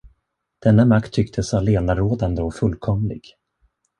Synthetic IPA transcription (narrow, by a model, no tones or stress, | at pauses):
d̪̥ɛnːamakt̪ʰːʏk̚t̪ʰəsvaleːnaɾoːd̪and̪əɔkfɵlkʰɔmlɪ̰ɡ̥